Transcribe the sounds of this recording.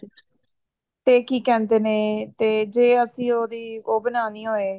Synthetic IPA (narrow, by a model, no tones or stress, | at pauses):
t̪eːkiːkɛ̃ːnd̪eːneːt̪eːd͡ʒeːəsĩːoːd̪iːoːbənaːniːɦoːeː